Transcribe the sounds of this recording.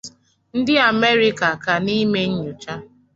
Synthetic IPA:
n̩˦dɪ˦a˨me˦ɾi˦ka˨ka˨ni˦me˦ɲ̩˦ɲu˨t͡ʃa˦

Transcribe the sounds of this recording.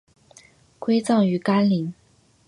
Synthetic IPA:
kwe˥ɪt͡sɑ˥˩ŋy˧˥ka˥nli˧˥ŋ

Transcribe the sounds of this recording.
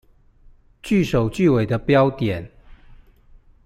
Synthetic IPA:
t͡ɕy˥˨ʂo˨˩ʊt͡ɕy˥˨we˨˩ɪd̪ə˦pjɑ˦ʊt̪jɛ˨˩˦n

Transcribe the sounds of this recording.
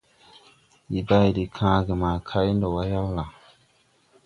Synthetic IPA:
i˨ba˦i˨di˨kʰãː˦ɡe˨ma˨kʰa˦ji˦ndo˨wa˦ja˦wla˨

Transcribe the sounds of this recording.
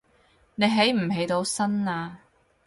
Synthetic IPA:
ne˨˧jɦe˨˥jm̩˨˩he˨˧jt̪o˨˧wsɐ˥naː˧

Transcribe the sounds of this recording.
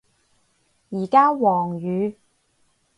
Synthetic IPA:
jiː˨˩kaː˥wɔː˨˩ŋjyː˨˧

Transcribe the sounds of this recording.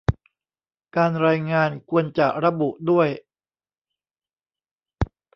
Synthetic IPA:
kaː˧nɾaː˧jŋaː˧nkʰu˧ənt͡ɕa˨˩ɾa˧bu˨˩ʔdu˥˩əj

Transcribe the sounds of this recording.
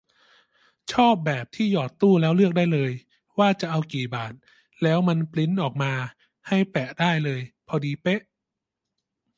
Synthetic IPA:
t͡ɕʰɔː˥˩p̚bɛː˨˩p̚t̪ʰiː˥˩jɔː˨˩t̪ːuː˥˩lɛː˦˥wlɯ˥˩ək̚daː˥˩jlɤː˧j | waː˥˩t͡ɕa˨˩ʔa˧wkiː˨˩baː˨˩t̪̚ | lɛː˦˥wma˧npli˦˥nʔɔː˨˩k̚maː˧ | ha˥˩jpɛ˨˩ʔdaː˥˩jlɤː˧jpʰɔ˧diː˧pe˦˥ʔ

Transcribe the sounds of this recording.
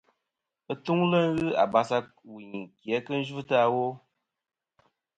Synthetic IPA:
ə˦tu˦ŋlə˦ŋ˦ɣɨ˦a̰˨ba˨sa˧ | wi˨ɲi˨kjɛ˨˦kɨ˦n̩˦ʒu˦tɨ˦a˦wo˦

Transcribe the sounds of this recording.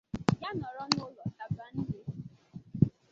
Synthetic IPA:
ja˦nɔ˨ɾɔ˦nʊ˦˨lɔ˨ta˨˦bɾa˨n̩˦dɪ˦

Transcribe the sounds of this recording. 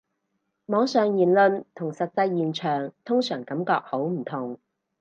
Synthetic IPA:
mɔː˨˥ŋsœː˨ŋjiː˨˩nlɵ˧nt̪ʰʊ˨˩ŋsɐ˨t̚t͡sɐ˧jːiː˨nt͡ʃʰœː˨˩ŋt̪ʰʊ˥ŋsœː˨˩ŋkɐ˨˥mkɔː˧k̚ho˨˥wm̩˨˩t̪ʰʊ˨˩ŋ

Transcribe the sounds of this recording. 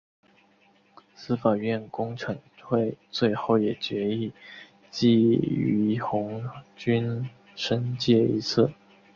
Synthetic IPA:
sɹ̩˥fa˨˩ɥɛ˥˩nkʊ˥ŋʈ͡ʂʰɤ˧˥ŋʰwe˥˧ɪt͡swe˥˧ɪxo˥˩ʊjɛ˨˩t͡ɕɥɛ˧˥i˥˧ | t͡ɕi˥˩y˧˥xʊ˧˥ŋt͡ɕy˥n | ʂə˥nt͡ɕjɛ˥˩ḭ˧˥t͡s̩ʰ˥˩

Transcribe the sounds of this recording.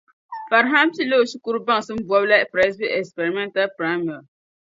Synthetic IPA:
fa˨ɾɦa˦msi˦˨lo˦˨ʃi˦ku˦ɾu˦ba˦ŋ˨sɨ˦m̩˦bu˨ɔ˦bla˦pɾa˦sbi˦ɛ˨kspɛ˨ɾi˨mɛ˦nta˦lpɾa˦mi˦˨a˨

